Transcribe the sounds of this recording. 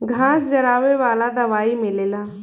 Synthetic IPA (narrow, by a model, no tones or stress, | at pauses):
ɡʱãːsd͡ʒɐɾaːʋeʋaːlad̪ɐʋaːimɪlelaː